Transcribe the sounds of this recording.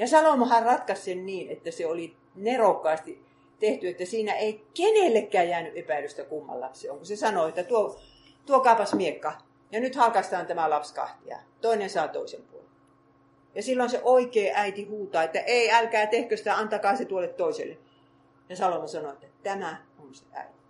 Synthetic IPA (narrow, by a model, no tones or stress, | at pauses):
jɑsɑlomɑhærrɑt̪kɑssenniːnḛt̪ːæseoli | nerokːɑːst̪i | t̪eht̪yet̪ːæsiːnæeikenelːekːæːjæːnyʔepæˑiløst̪ækumːɑ̰lːɑ̰pseo̰ŋkusesɑnoet̪ːæt̪uo | t̪uokɑpɑsmiekːɑ | jɑnyt̪hɑlkɑst̪ɑːnt̪æmælɑpskɑ̰ht̪iɑ̰t̪oinensɑˑːt̪o̰isempuolel | jɑsilːonseʔoikeːʔæit̪ihuːt̪ɑːet̪ːæʔeiælkæːt̪ehkøsi̥t̪æɑnt̪ɑkɑːset̪uolːˑet̪t̪oisḛlːˑe | jɑsɑlomɑsɑnoet̪ːæt̪æmæonseʔæ̰it̪i̥